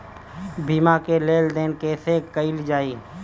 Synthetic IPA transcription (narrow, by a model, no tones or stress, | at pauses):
bʱiːmakeleːld̪eːnkesekəɪld͡ʒaːiː